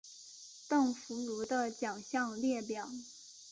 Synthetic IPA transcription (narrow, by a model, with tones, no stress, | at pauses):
t̪ɤ˥˩ŋfu˧˥lu˧˥d̪ə˧t͡ɕjɑ˨˩ŋɕjɑ˥˧ŋljɛ˥˩pjɑ˨˩˦ʊ